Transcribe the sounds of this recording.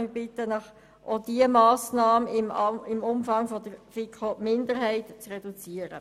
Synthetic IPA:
ɪbɪt̪ənɑχ | ʔod̥iəmɑːsnɑːməɪmɪmʊmfɑŋfɔd̪əɾfikχomɪnd̪əɾɦɛɪtt͡srɛdut͡siəɾə̰

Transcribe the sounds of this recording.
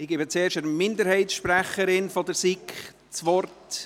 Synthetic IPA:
ɪɡ̥ɪbət͡seːɾʃəɾmɪndəɾhɛɪtsʃpræχəɾɪnfɔdəɾsik | t͡sʋɔrt

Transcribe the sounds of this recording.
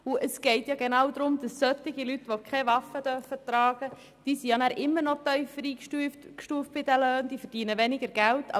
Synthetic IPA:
uʔəsɡ̥ɛɪtjɑɡenɑwd̪ɾʊmd̥ɑssœtɪɡilyt̪ʋokʰχɛʋɑfəd̥̪œrfət̪rɑːɡ̥ə | d̥iːsiɑnæːɾʔɪmːəɾnɔt̪œʏfɾiːkʃtuːft̚b̥ɪd̥æløːnd̥iːfəɾd̥iːnəʋɛnɪɡəɾɡ̥æltʰɑ̰

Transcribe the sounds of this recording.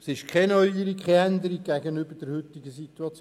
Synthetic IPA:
sɪʃkʰɛnœʏiɾikkʰɛɛnd̪əɾik̚ɡ̥æɡənʏbəd̥əɾhʏt̪iɡəsit̪uɑt͡s

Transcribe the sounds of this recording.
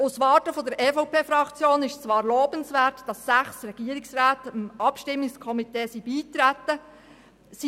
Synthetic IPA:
ʊsʋɑːtəfɔd̪əɾʔɛːfɔʊpʰeːfɾɑkt͡sjoːnɪʃt͡sʋɑːɾloːbənsʋæːtd̥ɑsːæχsrɛɡ̥iəɾɪksɾaːtəmʔɑpʃtɪmːɪkskʰɔmiteːsibiːt̪ɾæt̪ːə | si

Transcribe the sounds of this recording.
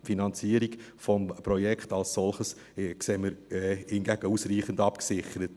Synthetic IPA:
finɑnt͡siːəɾiɡfɔmpɾɔjɛkχtɑlssɔlχəs | kseːməɾhɪnɡæɡ̥əusriːχəndɑpksɪχəɾət

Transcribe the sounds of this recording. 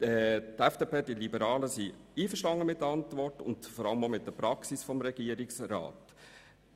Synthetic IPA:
ɛtɛfd̥eːpeːd̥ilibəɾɑːləsiiːfəɾʃtɑŋːəmɪt̚dəɑntvɔrtʊ̰nd̥fɔɾɑləmomɪt̚d̥əpɾɑksisfɔmɾɛɡ̥iːəɾɪksɾɑ̰ːt

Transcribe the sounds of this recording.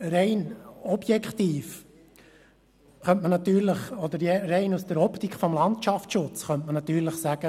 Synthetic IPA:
ɾɛɪnɔb̥jɛkχt̪iːf | χœntmənɑt̪yːɾləχɔd̪əɾjɛɾɛɪnusd̥əɾɔpt̪ikχfɔmlɑntʃɑfʃʊt͡sχœntmənɑt̪yːɾləχsæɡ̥ə

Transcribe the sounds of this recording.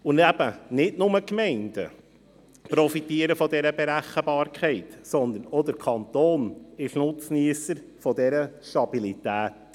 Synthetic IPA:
ʊnæb̥ənɪtnʊməkmɛɪndə̰ | pɾɔfitiəɾəfɔdɛɾəbeɾæχəbɑːɾkχɛɪtsɔnd̪ənɔd̪əɾkʰɑnt̪oːnɪʃnʊt͡sniəsəɾ | fɔdɛɾəʃtɑb̥ilit̪æːt

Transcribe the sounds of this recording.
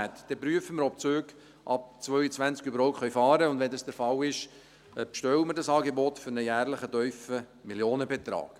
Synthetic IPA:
æt̪d̥ɛpɾyəfəmɪɾɔp̚t͡søːɡ | ʔɑp̚t͡sʋœʏət͡sʋænt͡skybəɾhɔʊtχœɥfɑːɾəʊnd̪ʋɛndɑsd̥əɾfɑlɪʃ | pʃtœwəmɪɾdɑsɑːɡebɔtfʏɾnəjæːrləχətœʏfə | miljoːnəbɛt̪ɾɑ̰ːk

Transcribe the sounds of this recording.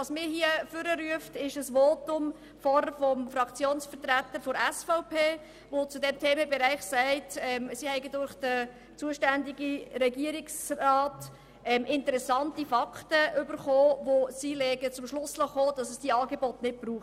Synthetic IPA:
ɑsmɪːɾɦiəfʏɾəɾyəftɪʃəsʋoːtʊm | fɔɾəfɔmfɾɑkt͡sjoːnsfəɾtɾætːəɾfɔɾɛsfɔʊpʰeː | ʋot͡sudɛmtʰeːməbeɾæɪχsæɪtɛmsihɛɪɡədʊɾχd̥ə | t͡suəʃtændiɡiɾɛɡiəɾɪksrɑːt | ɛmʔɪntəɾɛsɑntifɑktəʔʏbəɾχoːʋosilɛːɡət͡sʊmʃlʊslɑχoːd̥ɑsəsd̥iəɑːɡebɔtnɪt̚b̥ɾuːχ

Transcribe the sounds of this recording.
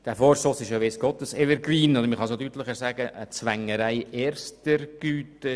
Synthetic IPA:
d̥æːfoːɾsɔsɪʃjoʋes̚ɡ̥ɔt̪əsɛvəɾɡriːnodəɾməχɑsodyt̪lɪχəɾzæːɡəʔət͡sʋæŋəɾæɪeɾstəɾɡ̥yːtə

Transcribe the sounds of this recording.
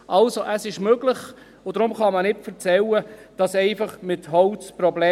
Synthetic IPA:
ʔɑlsoʔəsɪʃmøɡ̥ləχ | ʊd̥ɾʊmχɑmənɪtfəɾt͡sɛlːəd̥ɑsɛɪfɑχmɪthɔʊt͡sprɔblɛː

